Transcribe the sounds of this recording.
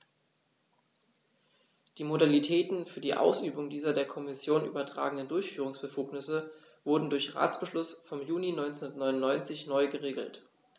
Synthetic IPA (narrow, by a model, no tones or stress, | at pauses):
d̥iːmodalitʰɛːtn̩fyːɐdiːʔa̰ʊsʔyːbʊŋdiːzɐdeːɐkʰɔmɪsjoːnʔy̰ːbɐtʁ̥a̰ːɡəŋnəndʊɐçfyːʁ̞ʊŋsb̥əfuːknɪsə | vʊɐdn̩dʊɐçʁa̰ːt͡sb̥əʃlʊsfɔmjuːninɔʏnt͡snnɐtnɔʏnʊnːɔʏnt͡sɪçnɔʏɡəʁeːɡl̩t